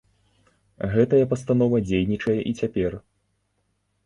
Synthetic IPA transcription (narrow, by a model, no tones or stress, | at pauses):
ɣɛt̪ɐjɐpɐst̪anɔvɐd͡zʲejnʲit͡ʂɐjɛʔit͡sʲapʲɛr